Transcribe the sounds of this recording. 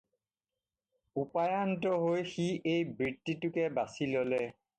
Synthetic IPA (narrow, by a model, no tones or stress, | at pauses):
upajantɔɦojxiejbɹitːitʊkɛbasilɔlɛ